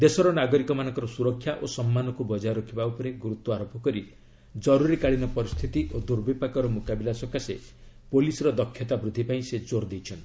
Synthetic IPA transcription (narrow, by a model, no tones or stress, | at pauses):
d̪esɔɾɔnaɡɔɾikɔmanɔ̃ŋkɔɾɔsuɾɔkʰːjaʔosɔmːanɔkubɔd͡ʒaɾɔkʰibaupɔɾeɡuɾut̪wɔaɾopɔkɔɾi | d͡ʒɔɾuɾikaɭinɔpɔɾist̪ʰit̪iʔod̪uɾbipakɔɾɔmukabilasɔkase | polisɔɾɔd̪ɔkʰːjɔt̪abɾud̪ʱːipaĩsed͡ʒoɾd̪ejt͡ʃʰɔnt̪i̥